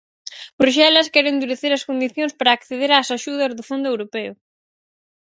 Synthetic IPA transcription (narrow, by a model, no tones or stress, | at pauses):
bɾuʃ̬ɛlɐskɛɾend̪uɾeθeɾɐskond̪iθjõŋspaɾaːkθeðeɾaːsaʃuð̞ɐzðʊfond̪ʊewɾopɛʊ̰